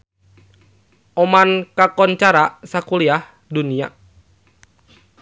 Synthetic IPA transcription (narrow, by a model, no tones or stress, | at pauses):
ʔɔmankakɔnt͡ʃaɾasakuliah | dunia̰